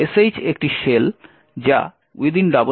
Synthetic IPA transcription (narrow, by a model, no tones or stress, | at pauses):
esejt͡ɕek̚ʈiʃel | d͡ʑa̰ | ujd̪inɖabo